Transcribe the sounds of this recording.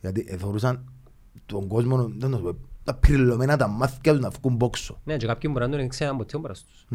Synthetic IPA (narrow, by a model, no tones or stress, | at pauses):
jat̪iʔeθoɾusan | t̪ɔŋɡɔsmɔnod̪anoɛt̪apiɾilɔmɛnat̪amːaθkat̪unafkumbɔksoned͡ʒɛkap̚kʲimbuɾand̪uɾiikseambɔt̪ʰːiɔmbɾast̪u̥sn